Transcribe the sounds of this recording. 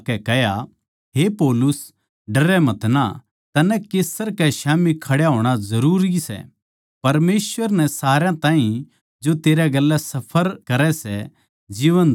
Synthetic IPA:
kɛkɛɦja | ɦepɔːlʊs | ɖɐɾɛmɐt̪na̰ | t̪ɐnɛkeːsəɾkɛʃaːmikʰɐɽjaɦoːɽ̃azɐɾuːɾisɛ̰ | pɐɾmeːsʋəɾnɛsaːɾjãt̪ãːɦĩ | d͡ʒot̪eːɾɛɡɐlːɛsɐpʰəɾkɐɾɛsɛ | d͡ʒiːʋən

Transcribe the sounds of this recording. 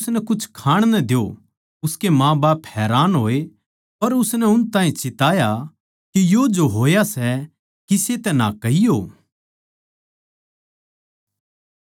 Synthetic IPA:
snɛkʊt͡ʃʰkʰaːɽ̃nɛd̪ɪjo̰ | ʊskemãːbaːphɛːɾaːnɦoːe | pɐɾʊsnɛʊnt̪ãːĩt͡ʃɪt̪aːja | kijoːd͡ʒoɦoːjasɛ | kiset̪ɛna̰kɐijo̰ː

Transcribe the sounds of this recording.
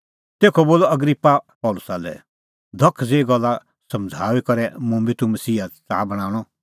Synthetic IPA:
t̪eːkʰɔboːlɔɐɡɾipːapɔːlʊsalɛ̰ | d̪ʱɐkʰːd͡zeːɡɔlːa | sɐmd͡zʱaːwikɐɾɛmʊ̃mbit̪umɐsiːat͡sa̰ːbɐɽ̃ãːɽ̃ɔ

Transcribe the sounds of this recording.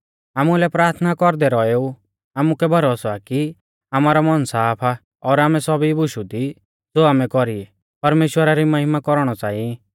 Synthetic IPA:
aːmulɛpɾaːɾt̪ʰnakɔɾd̪ɛɾɔeu | aːmukɛbʱɐɾosɔaki | amaːɾɔmɔnsaːpʰa | ɔːɾaːmɛsɔbibʊʃud̪i | d͡zoːaːmɛkɔɾiɛ | pɐɾmeːʃwəɾaɾimɐɦɪmakɔɾɔɽ̃ɔt͡saːĩ

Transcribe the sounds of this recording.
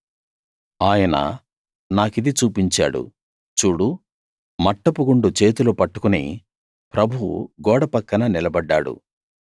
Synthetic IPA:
aːjɐnɐ̰ | naːkid̪it͡ʃuːpiɲt͡ʃa̰ːɽṵ | t͡ʃuːɽu | mɐʈːɐpuɡuɳɖut͡ʃe̞ːt̪ulupɐʈːu̥kunḭ | pɾɐbʱuwṵɡɔːɽɐpɐkːɐnɐnilɐbɐɖːaːɽṵ

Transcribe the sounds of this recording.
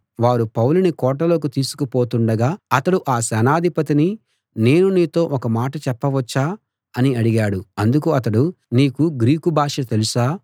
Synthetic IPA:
ʋaːɾupɐwlunikɔːʈːɐlo̞ːkut̪iːsu̥kupo̞ːt̪uɳɖɐɡaːɐt̪ɐɽuʔaːsɛnaːd̪ʱipɐt̪̬ini | ne̞ːnuniːt̪o̞ːʔɔkɐmaːʈɐt͡ʃɛpːɐʋɐt͡ʃːaː | ɐniɐɽiɡaːɽuɐnd̪ukuɐt̪ɐɽu | niːkuɡɾiːkubʱaːʂɐt̪e̞lusaː

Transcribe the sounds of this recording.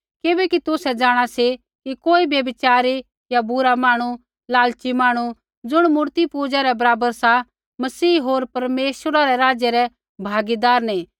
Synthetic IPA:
kɪbɛkit̪ʊsɛd͡ʒaːɽ̃asi | kikoːibjɐbɪt͡ʃaːɾi | jabʱʊɾamaːɽ̃u | laːlt͡ʃimaːɽ̃u | d͡zʊɽ̃mʊɾt̪ipuːd͡ʒaɾɛbɐɾaːbəɾsa | mɐsiːɦoːɾpɐɾmeːʃəɾaɾɛɾaːd͡ʒjɛɾɛ | bʱaːɡid̪aːɾnĩː

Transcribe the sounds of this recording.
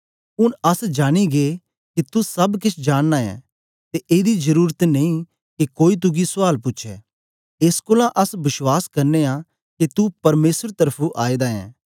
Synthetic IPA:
ʊnɐsd͡ʒaːɽ̃iɡe | kit̪usɐbkɪt͡ʃʰd͡ʒaːɽ̃naːɛ̰̃ː | t̪eʔeːd̪izɐɾuːɾət̪nɐĩ | kikoːit̪̬ʊɡisʊaːlpʊtːʃʰɛː | ɪskʊːlãʔɐsbɪʃwaːskɐɾnea | kit̪upɐɾmeːsəɾt̪ɐɾpʰuʔaːiːd̪aːɛ̰̃ː

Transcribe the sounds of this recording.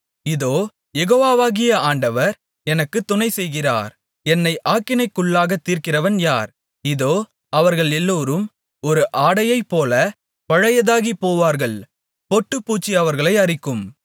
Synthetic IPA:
ɪðoː | jɛɣoːʋaːʋaːɣɪjɐaːɳɖɐʋɐɾ | ɛnɐkːɯt̪ːʊnɐɪsɛjɣɪra̰ːɾ | ɛnːɐɪʔaːkːɪnɐɪkːʊɭːaːɣɐt̪ːiːɾkɪrɐʋɐnjaːɾ | ɪðoː | ɐʋɐɾɣɐɭɛlːoːɾɯm | ɔɾɯʔaːɽɐjɐɪpːoːlɐ | pɐɻɐjɐðaːɣipoːʋaːɾɣɐɭ | pɔʈːɯpːuːt͡ʃːiɐʋɐɾɣɐɭɐɪɐrɪkːɯm

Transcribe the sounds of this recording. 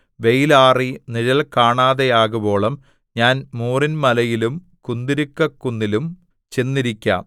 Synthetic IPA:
ʋe̞jlaːriniɻɐlkaːɳaːðejaːɣubo̞ːɭɐm | ɲaːnmuːrinmɐlɐjilum | kund̪iɾukːɐkːunːilum | t͡ɕenːiɾikʲːa̰ːm

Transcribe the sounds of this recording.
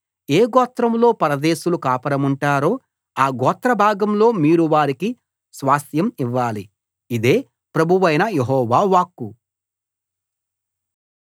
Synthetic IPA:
eːɡɔːt̪ɾɐmlo̞ːpɐɾɐd̪eːʃulukaːpɐɽɐmuɳʈaːɾo̞ː | aːɡɔːt̪ɾɐbʱaːɡɐmlo̞ːmiːɾuʋaːɾiki | sʋaːst̪jɐmiʋːaːli | id̪e̞ː | pɾɐbʱuʋɐjnɐjeɦɔːʋaːʋaːkːu

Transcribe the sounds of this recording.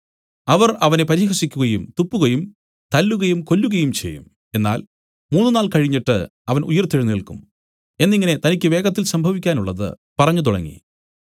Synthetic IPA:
ɐʋɐrɐʋɐne̞pɐɾiːhɐʂikʲːuɣɐjumt̪upːuɣɐjum | t̪ɐlːuɣɐjumko̞lːuɣɐjumt͡ɕe̞̰jːṵm | e̞nːa̰ːl | muːnːɨnaːlkɐɻiɲːiʈːɨ̰ɐʋɐnujɐrt̪iɻunilkum | e̞nːiŋːɐne̞t̪ɐnikʲːɨʋe̞ːɡɐt̪̬ːilsɐmbʱɐʋikʲːaːnuɭːɐðɨ̰ | pɐrɐɲːut̪̬uɽɐ̰ŋːḭ

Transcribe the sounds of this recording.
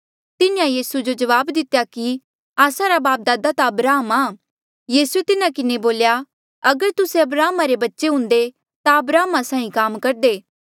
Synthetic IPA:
t̪ɪnjãjiːsud͡ʒod͡ʒɐʋaːbd̪ɪt̪jaki | aːsaɾabaːp̚d̪aːd̪at̪aɐbɾaːɦəmaː | jiːsuet̪ɪnakɪneboːlja | ɐɡəɾt̪ʊseɐbɾaːmaɾebɐtːʃeɦʊ̃nd̪e | t̪aɐbɾaːmasãːĩkaːmkɐɾd̪eː

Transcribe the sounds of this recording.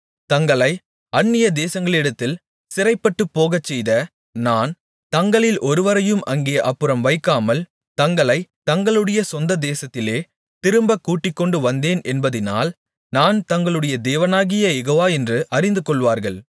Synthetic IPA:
t̪ɐŋɡɐɭɐɪ | ɐnːɪjɐd̪eːsɐŋɡɐɭɪɽɐt̪ːɪl | sɪɾɐɪpːɐʈːɯpːoːɣɐt͡ʃːɛjðɐ | naːn | t̪ɐŋɡɐɭɪlʔɔɾɯʋɐɾɐjɯmʔɐŋɡeːjɐʔɐpːɯɾɐmʋɐɪkːaːmɐl | t̪ɐŋɡɐɭɐɪt̪ɐŋɡɐɭɯɽɐjɐsɔnd̪ɐd̪eːsɐt̪ːɪleː | t̪ɪɾɯmbɐkːuːʈːɪkːɔɳɖɯʋɐnd̪eːnɛnbɐðɪna̰ːl | naːnt̪ɐŋɡɐɭɯɽɐjɐd̪eːʋɐnaːɣɪjɐɛɣoʋaːɛndrɯʔɐɾɪnd̪ɯkɔɭʋaːɾɣɐɭ

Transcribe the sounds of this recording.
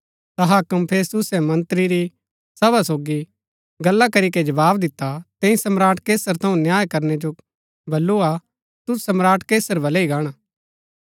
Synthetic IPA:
t̪ɐɦakɐmpʰeːst̪ʊsɛmɐ̃nt̪ɾiɾi | sɐbʱasoːɡi | ɡɐlːakɐɾiked͡ʒɐbaːbd̪ɪt̪ːat̪ɛ̃ĩsɐmɾaːʈkeːsəɾt̪ʰɐũnjaːjkɐɾned͡ʒo | bɐlːua | t̪ʊsɐmɾaːʈkeːsəɾbɐleiɡaːɽ̃aː

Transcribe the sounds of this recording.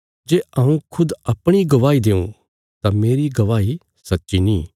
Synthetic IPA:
d͡ʒeːaːũkʰʊd̪ɐpɽ̃iɡɐʋaːid̪eːṵ̃ | t̪ameːɾiɡɐʋaːi | sɐtːʃiniː

